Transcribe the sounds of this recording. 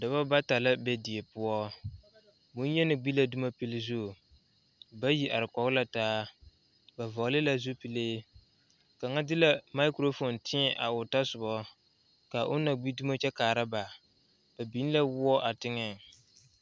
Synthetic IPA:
da˨ba˦ba˦ta˨la˦bɛ˦di˨e˨pʊ˦ɔ˦ | bʊ˨˦n˦jɛ˦nɪ˨ɡ͡bi˦la˦du˦ma˦pi˦lɪ˦zu˦˨ | ba˦ji˦ʔa˨ɾɪ˨kɔ˨ɡʊ˦la˦taː˦ | ba˨vɔ˨˦lɪ˦la˦zu˦pi˨leː˦ | ka˨ŋa˦dɪ˦la˦ma˦ɪ˦kɾo˦fo˨ntɪ˦ɛ˨ʔa̰˨ʊ˨ta˦sʊ˨bɔ˦ | ka˨ʔʊ˦na˨ɡ͡bi˦du˦ma˦t͡ʃɛ˦kaː˨ɾa˦ba˨ | b̥a˨bi˨˦n˦la˦wʊ˦ɔ˦ʔa˨tɪ˦ŋɛ˦˨ŋ

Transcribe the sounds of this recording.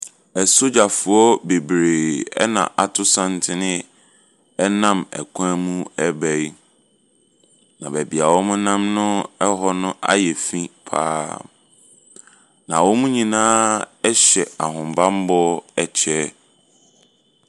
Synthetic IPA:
ɛ˨so˦d͡ʑa˨fʊ˨ɔ˦be˨bɾeː˨ɛ̰˦nã̰˨ʔa˨tʰʊ˦sã˦n˨tʰɪ˦nɪ̃˦ | ɛ˦nã˦mɛ̰˨kʰã˦mũ˦ɛ˦bæ˨i˦ | nã˨bæ˨bi˨a˨wɔ˦mʊ̃˦nã˦mnʊ̃˦ɛ˦ɦɔ˦nʊ̃˦ʔa̰˦jɛ˨fĩ˦pʰa̰ː˦ | nã˨wɔ˦mũ˦ɲĩ˨nãː˦ɛ˦ɕɛ˨a˨ɦʊ̃˨m˨bã˦m˦bɔ˦ɛ˨t͡ɕʰɛ˦

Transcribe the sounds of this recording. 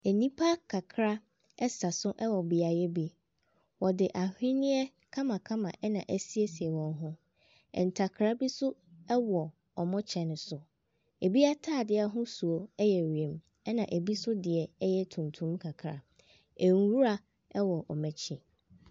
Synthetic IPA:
æ˨nĩ˦pʰa˦kʰa˨kʰɾa˦ | ɛ˦sa˨sʊ˦ʔɛ˦wɔ˨bɪ˨a˨jɛ˦bi˦ | wɔ˨dɪ˨ʔa˨hᶣɪ˦nɪ̃˦ɛ˦ | kʰã˦mã˨kʰã˦mã̰˨ʔɛ˦nã˨ʔæ˦si˦e˦si˨ɛ˨wɔ̃˨n˦ɦʊ̃˦ | ɛ̰̃˨n˨tʰa˨kʰɾa˦bi˦sʊ˦ɛ˦wɔ˨ | ɔ˨mɔ̃˦t͡ɕʰɛ˨nʊ̃˨sʊ˨ | e˨bi˦a˦tʰaː˦˨dɪ˦a˨ɦʊ̃˦su˨o˦ɛ˦jɛ˨ɥi˨ẽ˨m | ɛ˦nã˨ʔe˨bi˦sʊ˦dɪ˨ɛ˨ɛ˦jɛ˦tʰũ˨ntʰũ˦m˦kʰa˨kʰɾa̰˨ | e˨ŋ˨wu˦ɾa˦ | ɛ˦wɔ˨ʔɔ̰˨mɛ̃˨t͡ɕʰĩ˨

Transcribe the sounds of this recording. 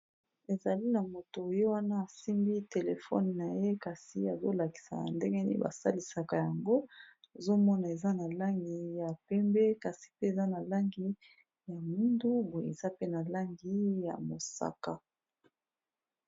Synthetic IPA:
e˨za˨li˦na˨mo˨to˨jo˦wa˦na˦a˨si˦mbi˦te˨le˨fɔ̰˦n˨na˨je˦ka˨si˨a˨zo˦la˨ki̥˨sa̰˨a̰˨nde˦ŋɡɛ˦nḭ˦ba̰˨sa̰˦li˨sa˨ka˨ja˨ŋɡo˦e˨zo˦mɔ˦na˨e˨za˦na˨la˦ŋɡi˨ja˨pɛ˦mbɛ˦ka˨si̥˨pe˦e˨za˦na˨la˦ŋɡi˦ | ja˨mi˦ndu˦bu˨ḛ˨za˦pe˦na˨la˦ŋɡi˦ja̰˨mo˨sa̰˦˨ka̰˦

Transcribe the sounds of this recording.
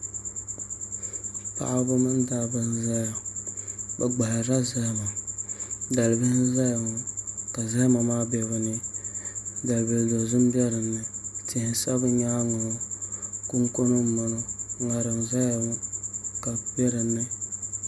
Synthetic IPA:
pa̰˨ʔa˦bɨ˦mɨ˦n˦da˦bɨ˦n˦za˦ja˨ | bɛ˨ɡ͡ba˨la˨ɾa˦zɛ˦hma˨ | da˨lbɨ˦n˦za˦ja˨ŋo˨ka˨zɛ˦hma˨maː˦bɛ˨βɨ˨nɨ˦ | da˨lbə˨ldo˨zu˦m˦bɛ˦ɾɨ˨nːɨ˦ti˨hsa˦bɨ˦ɲa˦ŋo˨no˦ku˦ŋko˦no˦˨ma˨n˦ŋa˨ɾɨ˨ŋza˦ja˨ŋo˦ka˨bɛ˦ɾɨ˨nːɨ˦

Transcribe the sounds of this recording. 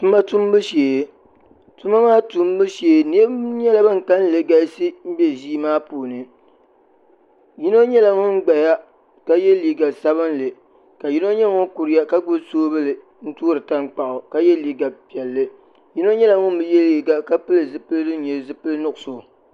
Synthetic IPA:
tu˦ma˦tu˦m˦bɨ˦ʃeː˨ | tu˦ma˦maː˦tu˦m˦bɨ˦ʃe˨ni˦e˦ɲɛ˦la˦bɨ˦ŋ̩˨ka˦n˦lɨ˨ɡa˦sɨ˦m̩˦bɛ˦ʒiː˦maː˦puː˨nɨ˨ | ji˦no˦ɲɛ˦la˨ŋʊ˦m˦ɡ͡ba˨ja˦ | ka˦jɛ˦liː˦ɡa˨sa˦βɨ˦nlɨ˨ | ka˨ji˦no˦ɲɛ˦ŋʊ˦ku˨ɾɪ˦ja˦ka˦ɡ͡bʊ˦soː˦bɨ˦lɨ˨ | n̩˦tu˦ɾɨ˨ta˦ŋk͡pa˨ʔʊ˨ka˦jɛ˦liː˦ɡa˨pi˨ɛ˨lːɨ˦ | ji˦no˦ɲɛ˦la˨ŋʊ˦m˦bɨ˦jɛ˦lli˨ɡa˨ka˦pɨ˦lɨ˨zɨ˨pɨ˦lɨ˦dɨ˦ɲɛ˨zɨ˦pɨ˦lɨ˦nʊ˦ʔʊ˨so˨

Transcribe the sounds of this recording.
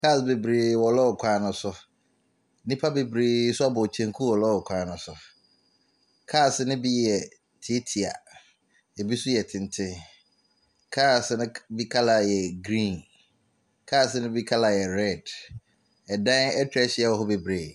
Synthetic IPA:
kʰaː˦˨sbe˨bɾeː˨wɔ˨lɔ˦˨kʰʷãː˨nʊ̃˨sʊ˦ | nĩ˦pʰa˦be˨bɾe˨˦sʊ˦a˦bɔ˨t͡ɕʰɛ̃˨ŋkʰu˦wɔ˨lɔ˦˨kʷʰãː˨nʊ̃˨sʊ˨ | kʰaː˦˨sɪ˦nɪ̃˦bi˦jɛ˨ | tʰi˦tʰi˨a̰˨ | e˨bi˦sʊ˦jɛ˨tʰɪ̃˨n˨tʰɪ̃˦ | kʰaː˦˨snʊ̃˦bi˦kʰa˦la˨jɛ˨ɡɾĩː˦˨n | kʰaː˦˨snʊ̃˦bi˦kʰa˦la˨jɛ˨ɾɛ˦˨d | ɛ˨dã˦nɛ˦tʰᶣɾɛ˦ɕɪ˦a˦˨wɔ˨ɦʊ˦be˨bɾeː˨

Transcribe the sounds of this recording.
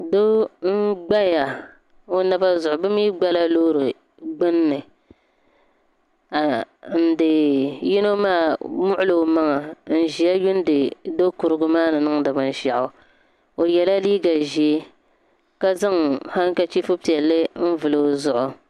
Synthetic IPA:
do˦ŋ̩˦ɡ͡ba˦ja˨ | o˦na˦ba˦zʊ˨ʔʊ˨bɨ˦mi˦ɡ͡ba˦la˦loː˦ɾɨ˨ | ɡ͡bɨ˦nːɨ˨ | a˨n̩˦˨dɨ˨ji˦no˦maː˦˨mʊ˦ʔʊ˦lo˨ma˦ŋa˨n̩˨ʒi˨ja˦jʊ˦n˦dɨ˨do˦kʊ˨ɾɨ˦ɡʊ˦maː˦nɨ˨nɨ˦ŋda˨ba˨n˦ʃa˨ʔʊ˨ | o˨jɛ˨la˦liː˦ɡa˨ʒi˨e˦ | ka˦za˦ŋha˦ŋ˦ka˦t͡ʃi˦fu˦pi˨ɛ˨lːɨ˦n̩˦vɨ˨lo˨zʊ˨ʔʊ˨

